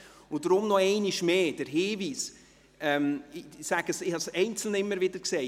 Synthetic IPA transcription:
ʊd̥ɾʊmnɔɛɪniʃmeːd̥əɾɦɪːviːs | ɛmsæɡ̥əsɪhɑsɛɪnt͡sl̩nəɪmːəɾvɪdəɾkseː

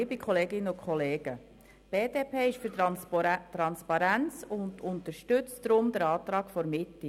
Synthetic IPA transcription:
ɪbikʰχɔleːɡɪnːəʊkχɔleːɡ̥ə | b̥eːd̥eːpʰeːɪʃfyɾ | t̪ɾɑnspɑɾænt͡sʊndʊnt̪əɾʃtʏt͡sdɾʊmd̪əɾɑːt̪ɾɑːɡ̥fɔɾmɪtːi

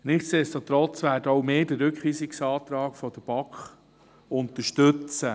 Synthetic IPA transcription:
nɪχsestot̪ɾɔt͡sʋæːɾdəɔwmeːdəːɵkχʋiːsɪksɑːt̪ɾɑːɡ̥fɔd̪̥əb̥ɑkχ | ʊnt̪əʃtʏt͡sə

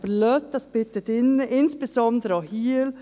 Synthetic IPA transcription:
blœt̪̚d̪ɑsb̥ɪt̪ət̪ɪnɪnsb̥əsɔnd̪ɾəhiːl

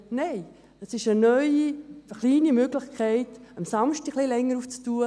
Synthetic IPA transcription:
nɛɪ | əsɪʃənœʏiχliːnimøɡlɪχkʰɛɪtəmsɑmʃtɪxχlɪlɛŋːəɾuːft͡stuːə

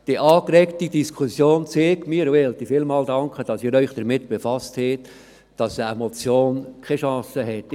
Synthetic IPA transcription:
d̥iʔɑːkɾɛkt̪id̥̪iskʰusjoːnt͡seːkmiːəɾʋɛlt̪ifɪlmɑːld̥̪ɑŋkχəd̥ɑsɪːɾœʏχd̥̪əɾmɪt̪b̥efɑsthɛːt̪ | d̥ɑsemɔt͡sjoːnkʰɛʃɑ̃ːsəɦɛt̪ː

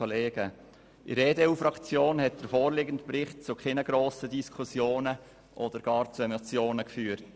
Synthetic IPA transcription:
ɔleːɡ̥ə | ʔḭɾeːdeuːfɾɑkt͡sjoːnhɛt̚d̥əɾfoːɾlɪɡən̩tprɪχt̚t͡sʊkʰɪnəɡɾoːsədiskʰusjoːnə | ʔɔdəɾɡ̥ɑːɾt͡suɛmot͡sjoːnəkfyːɾt

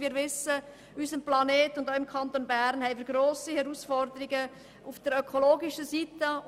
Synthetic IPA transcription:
iːɾʋɪsə | ysəmplɑneːtʊndoʊɪmkʰɑnt̪onbæɾnhɛɪviːɾɡɾoːsihɛɾuːsfɔɾd̪əɾiɡə | ʔufd̥əɾœkʰoloːɡiʃəsiːtə

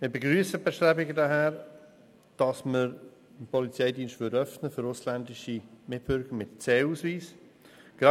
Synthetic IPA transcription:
mɪɾbeɡɾyːəsəbɛʃtɾɛbɪɡədaɦæːɾ | d̥ɑsməɾ | ənpɔlit͡sɛɪdiːnʃtvʏdœfnəfʏɾʊslændɪʃimɪt̚b̥ʏɾɡ̥əɾmɪtt͡seːusviːs | ɡ̥ɾɑ

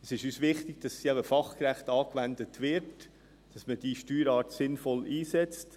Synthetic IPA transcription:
ɛsɪʃyːsʋɪχtɪɡ̥d̥ɑsːiæbəfɑχkɾæχtɑːkʋændətʋɪɾt | d̥ɑsməd̥iːʃtyːɾɑːɾtsɪnfɔliːsɛt͡st

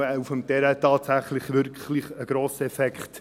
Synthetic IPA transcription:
ɛufəmtɛɾətɑːtsæχlɪχvɪɾkχlɪχəɡ̥ɾoːsɛfɛkχt

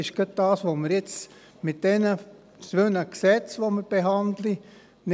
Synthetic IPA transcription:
ɪʃɡ̥ət̪̚d̥ɑːsʋoməɾjɪt͡s | mɪt̚d̥ɛnə | sʋønəksɛt͡sʋoməɾb̥eɦɑndli | n

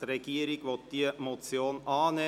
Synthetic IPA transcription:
ɾɛɡ̥iːəɾɪɡʋɔt̪̚d̥̪iːmot͡sjoːnɑːne

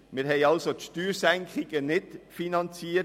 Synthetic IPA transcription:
mɪɾɦɛɪɑlsot̪ʃtyːɾsɛŋkʰχɪɡənɪdfinɑnt͡siːə

